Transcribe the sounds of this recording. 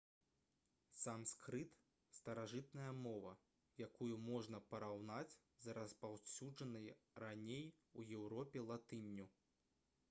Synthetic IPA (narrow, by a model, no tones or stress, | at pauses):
samskɾɨt̪ | st̪ɐɾaʐɨt̪̚nɐjɐmɔvɐ | jakujumɔʐnɐpɐɾawnat͡sʲ | zɐɾɐspawsʲud͡ʐɐnɐjranʲejujɛwɾɔpʲɛlˠat̪ɨnʲːu